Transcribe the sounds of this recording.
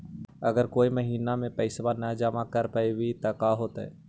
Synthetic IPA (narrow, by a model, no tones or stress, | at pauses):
ɐɡəɾkoːiməɦiːnamẽpəɪsbanəd͡ʒəmakəɾpaiwit̪ɐkaːɦoːt̪ɛ̰ː